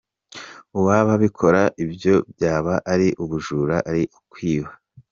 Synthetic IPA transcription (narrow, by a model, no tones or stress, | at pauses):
uβaβaβikʰo̞ɾaʔibjo̞bjaːβaʔːɾiʔuβuʒuːɾaʔaɾiʔukwiːwa